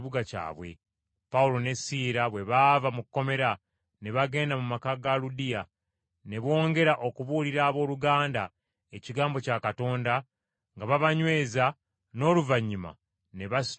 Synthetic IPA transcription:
βuɡaca̰ːβwe̞̰ | pawulo̞ne̞siːɾaβwe̞βaːvamukːo̞me̞ɾa | ne̞βaɡe̞ːndamumakaɡaludija | ne̞βo̞ːŋɡe̞ɾaʔo̞kuβuliɾaːβo̞ːluɡaːnda | e̞ciɡaːmbo̞cakato̞ːnda | ŋɡaβaβaɲwe̞ːza | no̞ːluvaɲːima̰ | ne̞βas

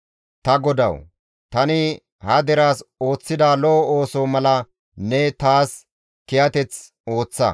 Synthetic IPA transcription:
t̪ɐɡɔd̪ɐ̰w | t̪ɐnɪ | hɐd̪ɛɾaːsoːt͡sːɪd̪aːlɔoːsoːmɐlɐ | nɛt̪aːs | kɪjɐt̪ɛt͡s | o̞ːt͡sːɐ

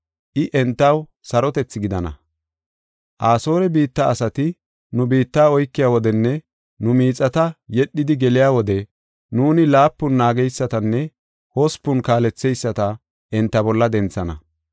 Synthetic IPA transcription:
ʔɪʔɛnt̪ːɐw | sɐɾɔt̪ɛt͡sːɪɡɪd̪ɐnɐ̰ | ʔaːso̞ːɾɛbiːt̪ːɐːsɐt̪ɪ | nʊbiːt̪ːaːɔjkːɪjaːwɔd̪ɛnːɛ | nʊmiːt͡sʼːɐt̪ɐjɛɗːɪd̪ɪɡɛlɪjaːwɔd̪ɛ | nuːnɪlaːpːʊnːaːɡɛjsːɐt̪ɐnːɛ | hɔspːʊnkaːlɛt͡sːɛjsːɐt̪ɐ | ʔɛnt̪ːɐbɔlːɐd̪ɛnt͡sːɐnɐ̰

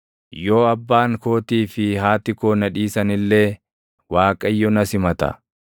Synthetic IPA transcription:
jo̞ːɐbːaːŋko̞ːt̪iːfɪhaːt̪ɪkoːnɐᶑiːsɐnɪlːeː | waːkʼɐjːɔnɐsɪmɐt̪ɐ̰

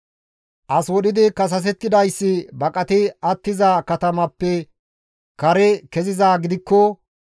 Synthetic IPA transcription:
ʔɐswɔɗɪd̪ɪkɐs̬ɐs̬ɛt̪ːɪd̪ɐjsːɪbɐkʼɐt̪ɪɐt̪ːɪzakɐt̪ɐmɐpːɛ | kɐɾɛkɛzɪzaːɡɪd̪ɪkːɔ

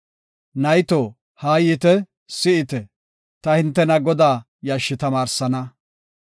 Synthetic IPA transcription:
nɐjt̪oː | haːjɪt̪ɛ | sɪʔɪt̪ɛ | t̪ɐhɪnt̪ːɛnɐɡɔd̪aː | jaʃːɪt̪ɐmaːɾsɐnɐ

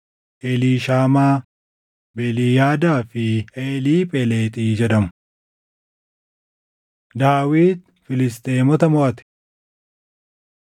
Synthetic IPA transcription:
ʔeliːʃaːmaː | bɛliːjaːd̪aːfɪʔeːliːpʼɛleːt̪ʼiːd͡ʒɛᶑɐmʊ | d̪aːwiːd̪ | fɪlɪst̪ʼeːmɔt̪ɐmɔʔɐt̪ɪ̥

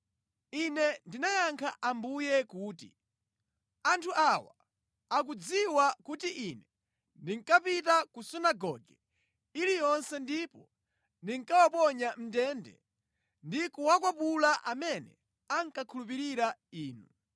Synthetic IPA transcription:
inɛndinajaŋkʰa̰ʔambujɛkuːtḭ | antʰuʔawa̰ | ak̬ud͡ziwakutiʔinɛ | ndiŋkapitakusunaɡɔ̰ɡɛ | ilijɔnsɛndipɔ | ndiŋkawapɔɲam̩tɛːndɛ̰ | ndikuwakwapulaʔamɛnɛ̰ | aŋkakʰulup̬iɾiɾaiːnu

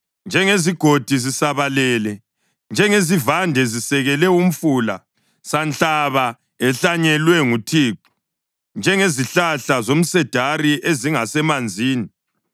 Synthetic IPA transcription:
nd͡ʒʱɛŋeziɡ̥ʱod̥ʱizisaβalɛːlɛ | nd͡ʒʱɛŋezivandʱɛzisɛɣɛlɛum̩fula | sant͡ɬʼaβa | ɛɬaɲɛlwɛŋutʰiːǃu̥ | nd͡ʒʱɛŋeziɬaɬazom̩sɛd̥ʱariʔeziŋasɛmand͡zʱiːni

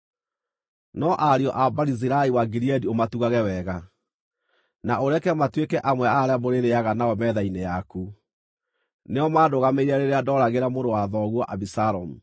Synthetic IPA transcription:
nɔʔaɾiɔʔabaɾiz̬iɾaewaɡiɾiɛdiomatuɣaɣɛwɛɣa | naoɾɛkɛmatwekɛʔamwɛaɾeamoɾeɾeaɣanaɔmɛðainejaku | neɔmaːdoɣameiɾaɾeɾeadɔːɾaɣeɾamoɾdowaðɔɣwɔʔaβisaɾɔmu

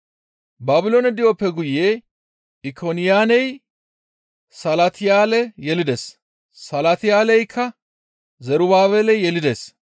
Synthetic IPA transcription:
baːbɪloːnɛd̪ɪjopːɛɡʊje̞ː | ɪkʰonɪjaːnɛj | sɐlɐt̪ʰɪjaːlɛjɛlɪd̪es | sɐlɐt̪ɪjaːlɛjkʰːɐ | zɛɾʊbaːβɛlɛjɛlɪd̪eːs

